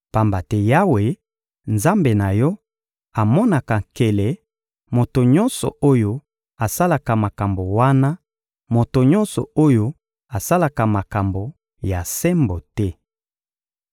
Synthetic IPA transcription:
pa˨mba˨tɛ˦ja˦we˨ | nza˦mbe˨na˨jɔ˦ | a˨mɔ˦na˨ka˨ŋke˨lɛ˨ | mo˨to˨ɲɔ˦nsɔ̰˨o˦jo˦ | a˨sa˦la˨ka˨ma˨ka˨mbo˨wa˦na˦ | mo˨to˨ɲɔ˦nsɔ̰˨o˦jo˦ | a˨sa˦la˨ka˨ma˨ka˨mbo˨ | ja˨sɛ˦mbo˨tɛ˦

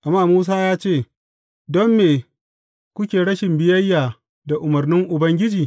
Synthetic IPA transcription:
ʔa˨mːaː˦˨muː˦s̬aː˦jaː˦t͡ʃeː˦˨ | dɔ˦mːeː˨ | kʷʊ˦kʲeː˨ɽɐ˦ʃɪ˨mbɪ˨jɐ˦jːaː˨ | da˨ʔʊ˨mɐ˨rnɪ˦ŋʔʊ˨bɐ˦ŋɡʲɪ˦d͡ʒiː˨

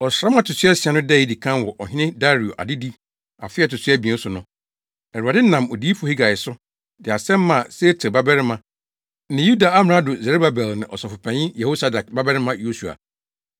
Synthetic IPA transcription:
ɔ˨sɾa˦m˦a˨tʰʊ˨sʰɥɛ˦sɪ˨a˨nʊ̃˦dɛ˦˨ji˦di˨kʰã˦nwɔ˨ʔɔ˨ɦɪ̃˦nɪ̃˦da˦ɾi˨o˨ʔa̰˨dɪ˦di˦ | a̰˨fɪ˦ɛ˦˨tʊ˨sʰɛ˦bi˨ɛ̃˨˦sʊ˨nʊ̃˦ | ɛ˨ɾu˨a˨dɪ˦nã˨mɔ˨di˦i˦fhi˦ɡa˨ɪ˨sʊ˦ | dɪ˨a˨sɛ̃˦mː˦ã˨se˦tʰe˨ba˦bɛ˦ɾɪ˦mã˦ | nɪ̃˨ju˦da˨a˦m˨ɾa˦dʊ˨zɛ˨ɾe˦ba˨bɛ˨lnã̰˨ʔɔ˨sɔ˨fʊ˨pʰɛ̃˨ɲĩ˦jɛ˨ho˦sa˦da˨k̚ba˦bɛ˦ɾɪ˦mã˦jo˦su˨a̰˨

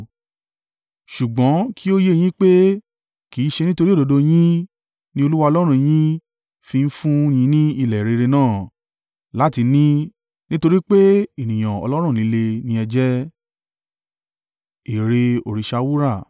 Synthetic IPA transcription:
ʃu˨ɡ͡bɔ̃˨˦kʰi˦o˦je˦˨j̃ĩ˦k͡pe˦ | kiː˨˦ʃe˧nĩ˦to˧ɾi˦o˦˨do˨˧do˧j̃ĩ˦ | nĩ˦o˧lu˦wa˧ɔ˧lɔ˦ɾ̃ũ˧j̃ĩ˦ | fi˧n̩˦fũ˦j̃ĩ˧˦nĩ˦i˧˨lɛ˨ɾe˧ɾe˧nãː˦˨ | la˦ti˧nĩ˦ | nĩ˦to˧ɾi˦k͡pe˦i˨nĩ˨j̃ã˨ɔ̰˧lɔ˦ɾ̃ũ˦˨nĩ˨˦le˧nĩ˧˦ɛ˧d͡ʒɛ˦ | e˨ɾe˧o˨ɾi˨ʃa˧wu˦ɾa˦˨

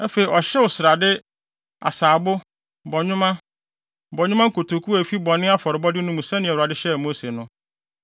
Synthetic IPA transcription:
æ˦fe˨i˨ʔɔ˨ɕɛ˦wʊ˨sɪ˨ɾa˨dɪ˦ | a̰˨saː˨bʊ˦ | bɔ˨ɲᶣʊ̃˦mã˦ | bɔ˨ɲᶣʊ̃˦mã˦ŋ̩˦kʰo˨tʰo˨kʰu˦æ˨fi˦bɔ˨nɪ̃˦a˦fɔ˨ɾɪ˨bɔ˦dɪ˦nʊ̃˦mũ˨sɛ̃˦nɪ̃˨ɛ˨ʊ˨a˨dɪ˦ɕɛ˦˨mo˦se˨nʊ̃˦

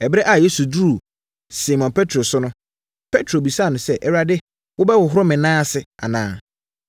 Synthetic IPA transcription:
ɛ˨bɪ˦ɾɛ˦ʔa˨je˦su˨du˦ɾu˨ | si˨mɔ̃˨npʰɛ˦tʰɾo˨sʊ˦nʊ̃˦ | pʰe˦tʰɾo˨bi˨sa˦˨nʊ̃˨sɛ˦ʔɛ˦ɾa˦dɪ˦ | wʊ˦bɛ˦wʊ˨ɦʊ˦ɾʊ˦mɪ̃˨nãː˦˨sɪ˨a̰˨nãː˨˦˨

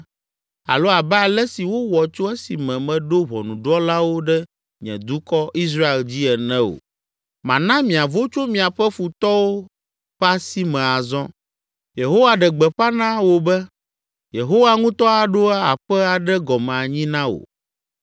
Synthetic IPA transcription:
a̰˨lo˦a˨bɛ˦a˨lɛ˦si˨wo˦wɔ˨t͡ʃo˦ɛ˦si˨mɛ̃˨mɛ̃˨ɖo˦βɔ̰˨nũ˨ɖɔ˦la˦wo˦ɖɛ˦ | ɲɛ̰̃˨d̪u˦kɔ˦ʔi˦s̬ɾa˦e˨ld͡ʑi˦ɛ˨nɛ̃˦o̰˨ | mã˨nã˦mĩ˨a˨vo˦t͡ʃo˦mĩ˨a˨ɸɛ˦fu˨t̪ɔ˦wo˦ | ɸa˦si˦mɛ̃˨a˨zɔ̃˦ | je˨ɦo˦wa˨ɖɛ˨ɡ͡bɛ˨ɸa˦nã˦wo˨bɛ˦ | je˨ɦo˦wa˦ŋũ˦t̪ɔ˦a˨ɖo˦a˦a˨ɸɛ˦a˨ɖɛ˦ɡɔ˨mɛ̃˨a˨ɲĩ˦nã˦o̰˨

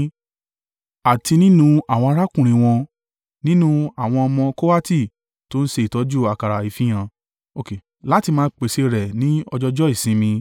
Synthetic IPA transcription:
a˨ti˧nĩ˦nũ˧a˦˨w̃ɔ̃˧a˧ɾa˦kũ˦˨ɾ̃ĩ˨˧˨w̃ɔ̃˧ | nĩ˦nũ˦˧a˦˨w̃ɔ̃˧ɔ˧mɔ̃˧ko˦wa˦ti˦˨ | to˦n̩˦ʃe˧˦i˨tɔ˨˦d͡ʒu˦˨a˨ka˨ɾa˨i˨fĩ˦j̃ã˧ | o˧˨ke˨˦ | la˦ti˧mãː˦˧˦k͡pe˨ʃe˧ɾɛ˨nĩ˦ɔ˧d͡ʒɔ˧d͡ʒɔ˦i˦˨sĩ˧˦mĩ˧

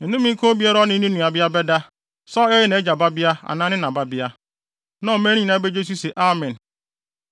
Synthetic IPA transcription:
e˨nu˦mi˦ko˦bi˦e˦ɾɔ˦ni˦nu˦ni˨a˨bja˦be˦da˦ | sɔ˦e˦ɪ˦ne˨˦d͡ʒa˨ba˦bja˦a̰˨na˦nɪ˦na˨ba˦bja˦ | nɔ˦˨me˦ɾi˦ĩ˨na˦be˦d͡ʒe˦s̬u˦se˨ʔa˦mɛ˨n̩˨

